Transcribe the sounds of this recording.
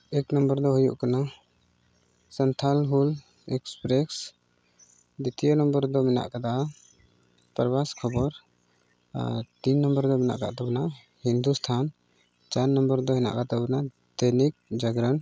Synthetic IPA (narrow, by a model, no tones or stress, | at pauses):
ɛknəmbəɾd̪ɔɦujṵʔkana | sənt̪ʰalɦul | ɛkspɾɛs | d̪it̪ijɔnəmbəɾd̪ɔmɛna̰ʔkad̪a | pəɾbaskʰɔbɔɾ | t̪inːəmbəɾd̪ɔmɛna̰ʔka̰ʔt̪ɛbɔnaʔ | hind̪ust̪ʰan | t͡ʃaɾnəmbəɾd̪ɔɦɛna̰ʔkat̪ɛbna | d̪̥enik̚d͡ʒaɡɾən